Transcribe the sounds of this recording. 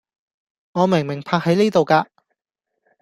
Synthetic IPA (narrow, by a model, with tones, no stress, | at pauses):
ŋɔː˨˧mɪ˨˩ŋmɪ˨˩ŋpʰaː˧˥k̚hɐ˨˥jniː˥t̪o˨wkaː˧